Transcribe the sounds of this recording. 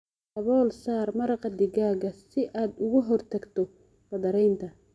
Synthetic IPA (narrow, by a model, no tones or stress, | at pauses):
ɐβɔːlsaːrmɐɾɑqɐd̪ɪɣaːɣɐsɪʔaːd̪ʊɣʊɦɔrt̪ʰɐɡt̪ʰɔ | b̥ɐðɐɾɛjnt̪ʰɐ